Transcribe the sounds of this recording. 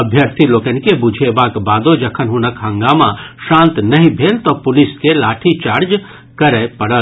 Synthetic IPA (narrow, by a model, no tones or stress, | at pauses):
ɐbʱjəɾt̪ʰiloːkənkebud͡ʒʱebaːkbaːd̪od͡ʒɐkʰənɦunəkɦɐ̃ŋɡaːmãʃãːnt̪nɐɦĩbʱeːlt̪opʊlɪskelaːʈʰit͡ʃaːɾd͡ʒ | kɐɾɛpɐɽəl